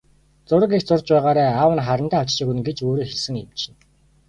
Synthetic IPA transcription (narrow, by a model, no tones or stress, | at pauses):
t͡sʊɾə̆kikt͡sʊrt͡ɕpæːʁaːɾæːawə̆nχaɾə̆nt̪æːwt͡ɕt͡ɕiːkɣunɘ̆ŋɡet͡ɕoːɾiːxeɮsɘ̆ŋḛmt͡ɕɪ̥̆n